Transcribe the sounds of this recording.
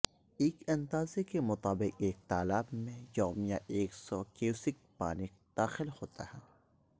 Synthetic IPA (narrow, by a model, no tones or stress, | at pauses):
eːkɐ̃nd̪aːzekemʊt̪aːbɪqeːk̚t̪aːlaːbmẽjɔːmijaʔeːksɔkeusɪk̚paːnɪk | d̪̥aːxɪlhoːt̪a̰ɦɛː